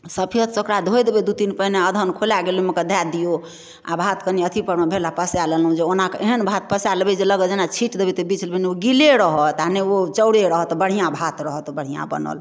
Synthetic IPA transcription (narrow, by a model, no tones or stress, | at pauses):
səpʰiət̪t͡ʃəkɾad̪ʱojd̪ebed̪ut̪inpəineəd̪ʱənkʰolaɡeluməkəd̪ʱad̪ijo | a̰bʱat̪kəniət̪ʰipəɽmebʱelapəsjaləlɦũd͡ʒeonakʔeɦənbʱat̪pəsalebɛd͡ʒeləɡəd͡ʒenat͡ʃʰiʈd̪ebit̪əbit͡ʃʰlbenioɡileɾəɦət̪aneot͡ʃəwɽeɾəɦɔt̪ɔbəɽ̤ijãbʱat̪ɾəɦət̪bəɽ̤ijã̰bə̰nə̰l